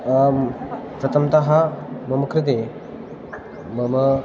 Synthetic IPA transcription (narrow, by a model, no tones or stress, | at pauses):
pɾɐt̪ʰɐmt̪ɐɦɐmɐmɐkɾɪt̪̬e | mɐmə